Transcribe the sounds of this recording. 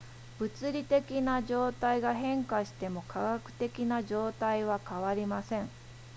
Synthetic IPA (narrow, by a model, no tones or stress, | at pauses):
b̥ɯ̟t͡sɨɾʲit̪e̞kʲinad͡ʑo̞ːt̪aiɡaɦẽ̞ŋkaɕi̥t̪e̞mo̞kʰaɡakɯ̟̥t̪e̞kʲinaʑo̞ːt̪aiβ̞akaβaɾʲimasẽ̞ŋ